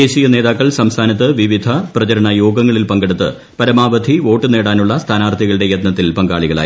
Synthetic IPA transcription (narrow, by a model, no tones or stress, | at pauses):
eːɕijɐne̞ːðaːkːɐɭsɐmst̪ʰaːnɐt̪̬ːɨʋiʋid̪ʱɐprɐt͡ɕɐɾɐɳɐjoːɡɐŋːɐɭilpɐŋɡeɽut̪ːɨ̰ | pɐɾɐmaːʋɐd̪ʱiʋo̞ːʈːɨne̞ːɽaːnuɭːɐst̪ʰaːnaːrt̪ʰiɣɐɭɨɽe̞jɐt̪nɐt̪ːilpɐŋɡa̰ːɭiɣɐɭa̰ːji